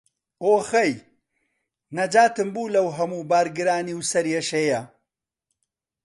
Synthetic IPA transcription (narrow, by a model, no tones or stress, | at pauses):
oːxɐj | nɐd͡ʒaːt̪ɨmbuːlɐwɦɐmuːbaːɾɡɨɾaːniwsɐɾjeʃejɐ